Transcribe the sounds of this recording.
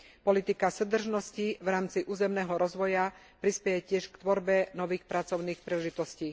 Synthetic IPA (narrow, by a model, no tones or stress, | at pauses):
pɔlit̪ikasəd̪r̩ʒnɔsciʋɾaːmt͡siʔuːzɛmnɛːɦɔɾɔzʋɔja | pɾispɛjɛcɪɛʃkt̪ʋɔɾbɛnɔʋiːxpɾat͡sɔʊniːxpɾilɛʒit̪ɔsciː